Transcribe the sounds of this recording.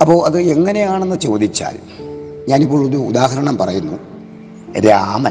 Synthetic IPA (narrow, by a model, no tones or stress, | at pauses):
ɐpːo̞ːʔɐðɨe̞ŋːɐne̞jaːɳenːɨt͡ɕo̞ːd̪it͡ɕːa̰ːl | ɲaːnipːo̞ːɭoðuud̪aːɦɐɾɐɳɐmpɐrɐjunːu | ɾaːmɐ